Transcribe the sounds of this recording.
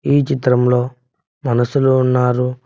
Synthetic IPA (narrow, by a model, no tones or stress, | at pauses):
iːt͡ʃit̪ɾɐmlo̞ː | mɐnɐsuluːnːaːɾu